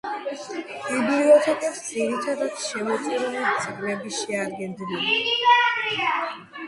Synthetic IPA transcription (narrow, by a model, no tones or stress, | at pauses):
bibliɔt̪ʰɛkʼɛpsd̪zʼiɾit̪ʰad̪at̪ʰʃɛmɔt̪sʼiɾnɛt̪sʼiɡmɛbiʃɛad̪ɡɛnd̪ilili